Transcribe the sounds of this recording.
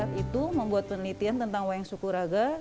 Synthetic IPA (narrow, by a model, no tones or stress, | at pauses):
at̪it̪uməmbuat̪̚pənəlit̪iant̪ənt̪aŋwaɛŋsukuɾaɡa